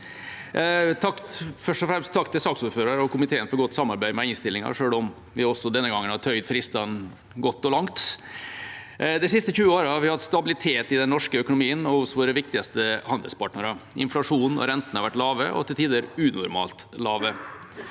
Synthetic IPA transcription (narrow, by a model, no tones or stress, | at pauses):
t̪ʰɑkfœʂʈɔfɾɛmst̪ʰːɑkt̪ʰɪlsɑːksuːɾføːɾɑɾɔkʰʊmɪt̪ʰeːənfɔɾɡɔt̪ːsɑmːɑɾbæɪmɛɪnst̪ɪlːɪŋɑ̰ʂøːɭɔm | ʋɪɔsɔd̪ɛnːəɡɑŋːənhɑt̪ʰœʏd̪fɾɪst̪ɑn | ɡɔt̪ːɔlɑŋt̪ | d̪ɛɪsɪst̪əçʉːəoːɾəɑɾʋɪhɑt̪st̪ɑbɪlɪt̪ʰeːt̪ɪd̪ɛnːɔʂkəœkʊnʊmiːənɔhʊsʋoːɾəʋɪkt̪ɪɡɑst̪əhɑnd̪ə̰lspʰɑʈɳəɾəɪ̰nflɑʂuːnɔ̰ɾɛnt̪n̩hɑɾʋæʈːlɑːʋəʔɔ̰t̪ʰɪlt̪ʰiːd̪əɾʉːnʊɾmɑ̰ːlt̪lɑːʋə